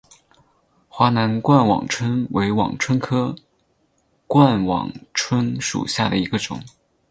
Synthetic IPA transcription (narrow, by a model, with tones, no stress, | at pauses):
xwa˧˥na˧˥nkwa˥˩nwɑ̰˨˩ŋʈ͡ʂʰwə˥nwe˧˥ɪwɑ̰˨˩ŋʈ͡ʂʰwə˥nkʰɤ˥ | kwa˥˩nwɑ̰˨˩ŋʈ͡ʂʰwə˥nʂṵ˨˩ɕja˥˩d̪ə˩i˧˥ɡə˧ʈ͡ʂʊ̰˨˩˦ŋ